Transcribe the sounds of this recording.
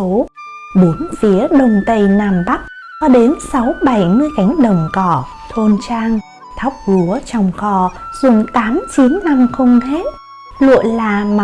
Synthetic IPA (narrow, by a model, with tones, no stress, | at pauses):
o˨˦ | ɓu˨˦ənfi˨˦əɗə˨˩ŋ͡mt̪ə˧jnaː˧˩mɓa˦˥k̚ | kɔ˧ɗe˨˦nsa˨˦wɓa˧˩jmɨ˧əjɣa˨˦jŋ̟ɗə˨˩wŋ͡mkɔ˧˩ | t̪ʰo˧nt͡ɕaː˧ŋ | t̪ʰa˦˥wk͡p̚lu˨˦ət͡ɕɔ˧˩wŋ͡mxɔ˧˩zʊ˨˧˩ŋ͡mt̪aː˨˦mt͡ɕi˨˦nːa˧mxə˧wŋ͡mɣe˦˥t̚ | lṵ˧˨əjlaː˨˩m˨